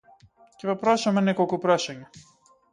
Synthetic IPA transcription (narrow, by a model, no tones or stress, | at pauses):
cɛvɔpɾaʃamɛnɛkɔlˠkupɾaʃaɲa